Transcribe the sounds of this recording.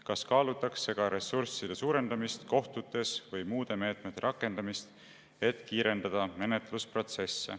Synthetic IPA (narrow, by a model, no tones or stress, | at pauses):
kɑskɑːlut̪ːˑɑksːe̞ɡ̥ɑɾe̞sursid̪̥esuːɾe̞nd̪̥ɑmist̪ko̞ht̪ut̪ːˑe̞svɤjmuːd̪̥e̞me̞ːt̪ˑme̞t̪ːˑeɾʔɑkːˑe̞nd̪ɑmist̪ | e̞t̪kiːɾe̞nd̪ɑd̪̥ɑme̞ne̞t̪luspro̞t̪se̞sːe̞̰